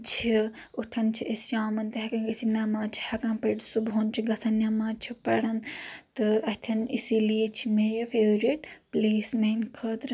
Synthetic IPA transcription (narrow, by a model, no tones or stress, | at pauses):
t͡ʃʰiut̪ʰɐnt͡ʃʰiʔisʃaːmɐnt̪ɐɦɐkãːɡisinaːmãːt͡ʃʰi̥hɐkãːpɐʈsuboːnt͡ʃʰiɡɐsɐnjaːmãːt͡ʃʰipɐɽɐnt̪ɨɐt̪ʰɐnisiliet͡ʃʰimeːjɐfeːɾieʈpliːsmeːnkʰɐːd̪ɾ